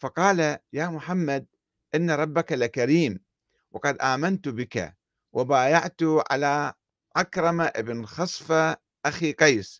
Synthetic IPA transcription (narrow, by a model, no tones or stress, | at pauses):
fɑqɑːlajaːmʊħamːad̪̚ | ʔɪnːaɾˤɑbːakalɪkaɾiːm | wɑ̰qɑd̪ʔaːmant̪bɪka̰ | wʔabaːjaʕt̪ʊʕa̰laː | ʕakɾˤɑmaʔɪbɪnxɑsˤfa | ʔaxiqɑjs